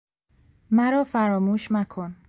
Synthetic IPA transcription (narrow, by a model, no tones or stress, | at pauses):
mæɾɒːfæɾɒːmuːʃnækʰon